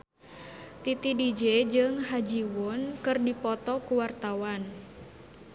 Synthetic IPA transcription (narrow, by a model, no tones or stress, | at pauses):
t̪it̪idid͡ʒɛd͡ʒɨŋɦad͡ʒiwʊnkɨrdipɔt̪ɔkuwart̪awan